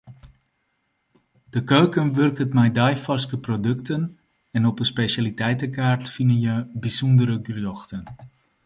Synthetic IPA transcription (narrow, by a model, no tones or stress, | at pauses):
d̥əkøɥkənʋørkətmɛjdajfɑskəprodøktən | ɛnɔpənspeʃalitɛjtəkaːrtfinənjəbisɔndəɾəɡrjɔxtən